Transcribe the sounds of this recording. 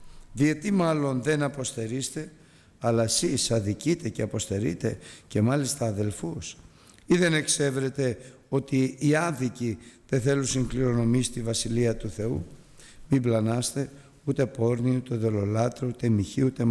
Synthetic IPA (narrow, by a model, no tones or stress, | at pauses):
ðiet̪imɐlo̞nðe̞nɐpo̞st̪e̞ɾist̪e̞ | ɐlɐesisɐðicit̪e̞ce̞ɐpo̞st̪e̞ɾḭt̪e̞ce̞mɐlist̪ɐːðe̞lfus | iðe̞ne̞kse̞vɾe̞t̪e̞ | o̞t̪iːɐnðiciðeθe̞lusiŋɡliɾo̞no̞mist̪ivɐsiliɐt̪uθe̞ṵ | miblɐnɐst̪e̞ | ut̪e̞po̞ɾniut̪e̞ðo̞lo̞lɐt̪ɾout̪e̞miçiut̪em